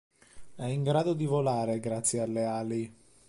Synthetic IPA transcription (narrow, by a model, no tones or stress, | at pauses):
ɛiŋɡɾaːd̪od̪ivolaːɾeɡɾat̪sːjealːeaːli